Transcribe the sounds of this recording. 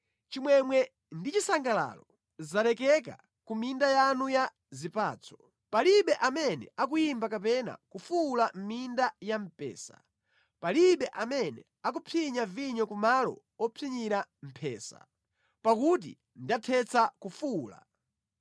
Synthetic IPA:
t͡ʃimwɛmwɛ | ndit͡ʃisaŋɡala̰lɔ | zalɛkɛk̬a̰ | kumindajanuja | zipa̰ːt͡sʰɔ̥ | paliɓɛʔamɛnɛ̰akujimbakap̬ɛna̰kufulam̩mindajam̩pɛ̰ːsa̰̥ | paliɓɛʔamɛnɛ | ak̬upʰiɲaviɲɔkumalɔ̰ | ɔpʰiɲiɾam̩pʰɛ̰ːsa̰ | pakut̬ḭ | ndatʰɛt͡sʰakufula̰

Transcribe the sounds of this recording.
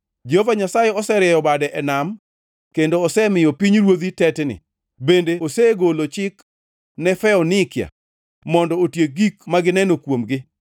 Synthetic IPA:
d͡ʒovaɲasajeɔsɛɾɪɛjɔbadɛʔɛnam | kendoːsɛmɪjɔpiɲɾwod̪itɛtnɪ̰ | bendeoseɡolot͡ʃɪk | nɛfɛɔnɪkja̰ | mɔndɔotjeɡikmaɡɪnɛnokwomɡɪ

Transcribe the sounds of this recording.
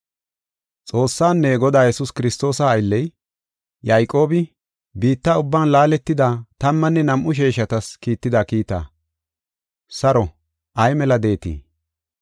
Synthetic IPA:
t͡sʼo̞ːsːaːnːɛɡɔd̪aːjɛsʊskɪɾɪst̪o̞ːsɐːjlːɛj | jajkʼo̞ːbɪ | biːt̪ːaʊbːaːnlaːlɛt̪ːɪd̪aːt̪ɐmːɐnːɛnɐmʔʊʃ̬eːʃɐt̪ɐskiːt̪ːɪd̪akiːt̪a̰ː | sɐɾɔ | ʔɐjmɛlɐd̪e̞ːt̪ḭː

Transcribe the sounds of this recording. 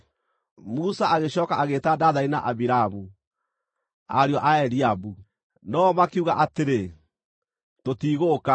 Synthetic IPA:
musaʔaɣeɕɔːkaaɣetadaðaina̰ʔaβiɾaamu | a̰ɾjɔʔaɛɾiabu | nɔmakeuɣaʔateɾe | totiːɣoka

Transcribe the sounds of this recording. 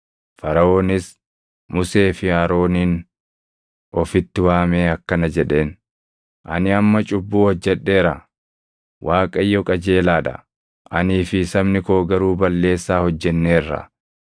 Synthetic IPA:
fɐɾɐo̞ːnɪs | mʊse̞ːfɪaːɾo̞ːniːn | ʔɔfɪt̪ːɪwaːme̞ːɐkːɐnɐd͡ʒɛᶑe̞ːn | ʔɐnɪɐmːɐt͡ʃʼʊbːuːɔd͡ʒːɛᶑːe̞ːɾɐ | wʔaːkʼɐɪjːɔkʼɐd͡ʒe̞ːlaːᶑɐ̰ | ʔɐniːfɪsɐbnɪko̞ːɡɐɾuːbɐlːe̞ːsːaːhɔd͡ʒːɛnːe̞ːrːɐ̰

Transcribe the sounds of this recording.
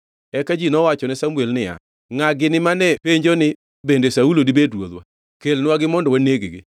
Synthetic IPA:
ɛkad͡ʒinɔwat͡ʃɔnɛsamuelnɪja̰ | ŋaɡɪnɪmanɛpeɲd͡ʒonɪ | bendesaulodibedɾwo̰d̪wa̰ | kelnwaɡɪmɔndɔwaneɡeɡɪ̰

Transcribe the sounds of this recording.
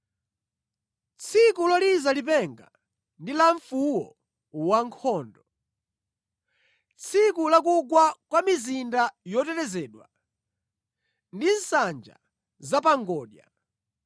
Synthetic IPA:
t͡sʰikulalizalipɛŋɡa̰ | ndilaɱfuwɔ | waŋkʰɔːndɔ | t͡sʰikulak̬uɡwakwamizindajɔtɛɾɛzɛːɗwa̰ | ndin̩sand͡ʒa̰ | zapaŋɡɔːɗja̰

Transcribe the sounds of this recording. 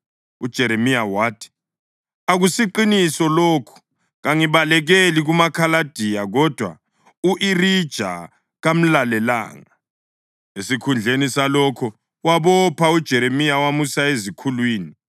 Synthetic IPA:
ud̥ʒ̥ʱɛɾemijawaːtʰi̥ | aɣusiǃinisɔloːkʰu̥ | ɣaŋiβalɛɣeliɣumakʰalad̥ʱijaɣɔd̥ʱwa̰ | uʔiɾid̥ʒ̥ʱa̰ | ɣam̩lalɛla̰ːŋa | esikʰund͡ɮʱenisalɔkʰɔ | waβɔpʰaud̥ʒ̥ʱɛɾemijawamusaezikʰulwiːni

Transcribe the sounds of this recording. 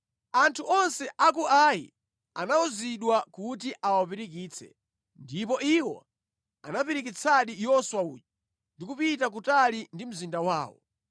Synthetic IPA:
antʰuʔɔnsɛʔakuʔajḭ | anauziɗwakut̬iʔawapiɾikiːt͡sʰɛ̰ | ndipɔiwɔ̰ | anapiɾikit͡sʰaɗijɔswaṵːt͡ʃɔ | ndikupitak̬utalindim̩zindawaːwɔ̰

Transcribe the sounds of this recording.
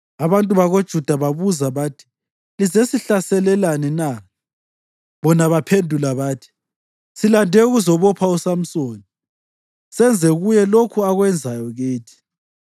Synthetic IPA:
aβantʼuβaɣod̥ʒ̥ʱud̥ʱaβaβuzaβaːtʰi̥ | lizesiɬasɛlɛlanɛna | βɔnaβapʰendʱulaβaːtʰi̥ | silandʱɛuɣuzɔβɔpʰausam̩soːni | sɛnd͡zʱɛɣujɛlokʰuaɣwɛnd͡zʱajɔɣeːtʰi̥

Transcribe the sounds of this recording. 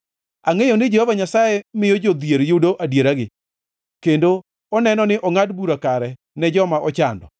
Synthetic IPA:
aŋejonɪd͡ʒehovaɲasajɛmɪjod͡ʒod̪jeɾjodoʔadjeɾaɡɪ | kendo | ɔnɛnɔnɪʔɔŋadbuɾakaɾɛ | nɛd͡ʒɔmaʔɔt͡ʃa̰ndɔ̰

